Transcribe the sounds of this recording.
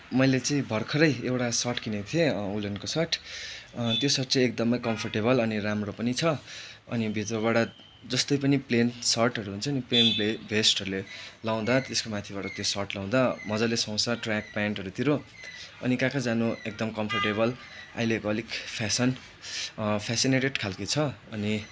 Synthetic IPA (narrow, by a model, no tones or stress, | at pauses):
mʌjlet͡sʌĩbʱʌrkʰʌɾʌjewʈasʌrʈkinet̪ʰieulenkosʌʈ | t̪josʌrʈ̚t͡sʌek̚d̪ʌmʌjkʌmpʰʌrʈeβʌlʌniɾamropʌnit͡sʰʌʌ̰nibʱit̪rʌβaɽʌ | d͡zʌst̪ʌjpʌniplensʌrʈʌɾuɦunt͡sʰʌːniplenbbʱesʈɦʌɾulelaw̃d̪at̪eskomat̪ʰibaʈʌt̪josʌrʈlaw̃d̪amʌd͡zalesʌ̃w̃saʈrak̚paɳʈɦʌɾut̪iɾo | ʌ̰nikãkad͡zanoek̚d̪ʌmkʌmpʰʌrʈeβʌl | a̰ileɡʌlikpʰasʌn | pʰasineʈeɖkʰalkit͡sʰʌʌni